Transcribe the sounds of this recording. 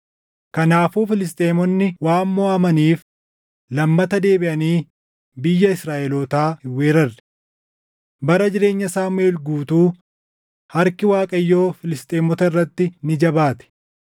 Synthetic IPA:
kɐnaːfuːfɪlɪs̬t̪ʼeːmɔnːɪwaːmːɔɐːmɐniːf | lɐmːɐt̪ɐd̪e̞ːbɪʔɐniː | bɪjːɐɪsɾaːʔɛloːt̪aːhɪwːeːɾɐrɛ̥ | bɐɾɐd͡ʒɪɾe̞ːɲːɐsaːmeːlɡuːt̪uː | hɐɾkɪwaːkʼɐjːo̞ːfɪlɪst̪ʼeːmɔt̪ɐɪrːɐt̪ːɪnɪd͡ʒɐbaːt̪ɛ̥

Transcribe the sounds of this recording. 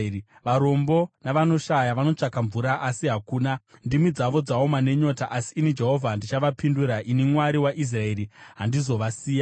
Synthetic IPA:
ʋaɾo̞mbo̞naʋano̞ʃajaʋano̞t͡ʂakaɱvuɾaʔasiɦakuːnandimid͡zaʋo̞d͡zaomane̞ɲo̞taʔasiːnid͡ʒe̞ɦo̞vʱandit͡ʃaʋapinduɾaʔinimwaɾiwaʔis̬rae̞ɾiɦandizo̞ʋasiːja

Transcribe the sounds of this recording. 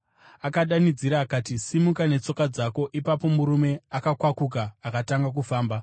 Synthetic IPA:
akaɗanid͡ziɾaːkatisimukane̞t͡so̞kad͡zako̞ʔipapo̞muɾume̞akakwakuk̬aːkataŋɡak̬ufaːmba

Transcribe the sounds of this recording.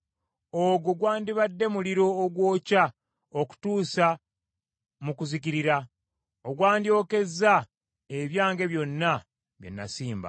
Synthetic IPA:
oɡuɡwaːndiβadːe̞muliɾo̞ːɡwo̞ːca | oku̥tuːsa | mukuziciɾiɾa | oɡwaːndjo̞ːke̞za | e̞βjaːŋɡe̞βjo̞nːa | βjo̞̰nːa̰siːmba̰

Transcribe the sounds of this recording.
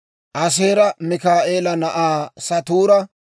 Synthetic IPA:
ʔɐs̬eːɾɐmɪkaːʔeːlɐnɐʔaːsɐt̪uːɾɐ

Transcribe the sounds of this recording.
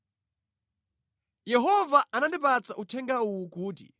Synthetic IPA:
jɛɦɔvaʔanandipat͡saʔutʰɛŋɡauwukuːt̬ḭ

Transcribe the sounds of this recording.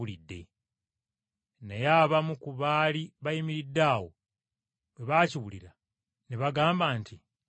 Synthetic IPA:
ulidːe̞̰ | nejaːβamukuβaːliβajimiɾidːaːwo̞̰ | we̞βaːciwulḭɾa | neβaɡaːmbaːnti

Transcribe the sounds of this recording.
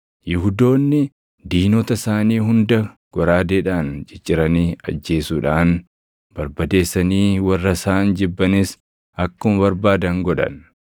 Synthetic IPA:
jɪɦʊd̪o̞ːnːɪ | d̪iːnɔt̪ɐsaːniːɦʊnd̪ɐ | ɡ̥ɔɾaːd̪eːᶑaːnd͡ʒɪt͡ʃʼːɪɾɐniːɐ̰d͡ʒːe̞ːsuːᶑaːn | b̥ɐɾbɐd̪e̞ːsːɐniːwɐrːɐsaːnd͡ʒɪbːɐnɪs | ɐkːʊmbɐɾbaːd̪ɐŋɡɔᶑɐ̰n

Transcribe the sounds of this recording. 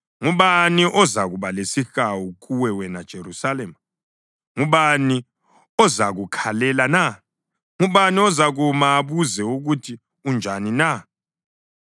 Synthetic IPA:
ŋuβaniʔɔzaɣuβalesixawuɣuwɛwɛnad̥ʒ̥ʱeɾusalɛma | ŋuβani | ɔzaɣukʰalɛlana | ŋuβaniɔzaɣumaːβuzɛuɣutʰi | und͡ʒʱanina

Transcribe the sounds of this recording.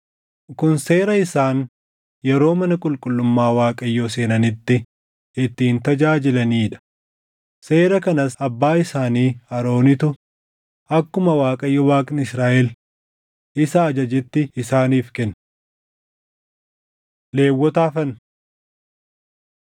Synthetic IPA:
kʊnse̞ːɾɐɪsaːn | jɛɾo̞ːmɐnɐkʼʊlkʼʊlːʊmːaːwaːkʼɐjːoːse̞ːnɐnɪt̪ːɪ | ɪt̪ːiːnt̪ɐd͡ʒaːd͡ʒɪlɐniːᶑɐ̥ | se̞ːɾɐkɐnɐsɐbːaːɪsaːniːɐɾo̞ːnɪt̪ʊ | ɐkːʊmɐwaːkʼɐjːɔwaːkʼnɪsɾaːʔɛl | ɪsɐːd͡ʒɐd͡ʒɪt̪ːɪɪsaːniːfkɛnː | le̞ːwːɔt̪aːfɐn

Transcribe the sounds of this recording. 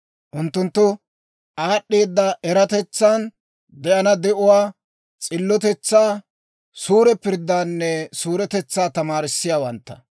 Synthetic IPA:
ʔʊnt̪ːʊnt̪ːɔ | ʔaːɗːeːd̪ːɐɛɾɐt̪ɛt͡sːaːn | d̪ɛʔɐnɐd̪ɛʔʊwaː | t͡sʼɪlːɔt̪ɛt͡sːaː | suːɾɛpɪɾd̪ːaːnːɛsuːɾɛt̪ɛt͡sːaːt̪ɐmaːɾɪsːɪjaːwɐnt̪ːɐ̥

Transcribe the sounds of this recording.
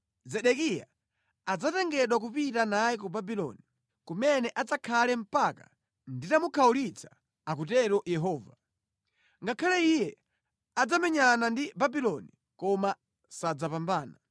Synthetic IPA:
zɛɗɛkija̰ | ad͡zatɛŋɡɛɗwak̬upitanajikubabilɔ̰ni | kumɛnɛʔad͡zakʰalɛm̩paka̰ | nditamukʰaulit͡sʰḁ | ak̬utɛɾɔjɛɦɔːva | ŋɡakʰalɛijɛ | ad͡zamɛɲanandibabilɔni | kɔma | sad͡zapambaːna

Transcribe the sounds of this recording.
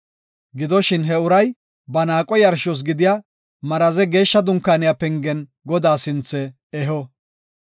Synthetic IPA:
ɡɪd̪ɔʃɪnɦɛʊɾɐj | bɐnaːkʼɔjɐɾʃɔs̬ɡɪd̪ɪja | mɐɾɐzɛɡe̞ːʃːɐd̪ʊŋkːaːnɪjapɛŋɡɛn | ɡɔd̪aːsɪnt͡sːɛ | ɛɦɔ

